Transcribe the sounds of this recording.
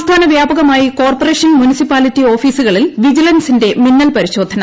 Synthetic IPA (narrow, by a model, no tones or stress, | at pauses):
st̪ʰaːnɐʋjaːbɐɣɐmaːjiko̞ːrpɐre̞ːʂɐnmunisipaːlitːio̞ːfiːsuɣɐɭilʋid͡ʑilɐnsinde̞minːɐlpɐɾiɕo̞ːd̪ʱːɐnɐ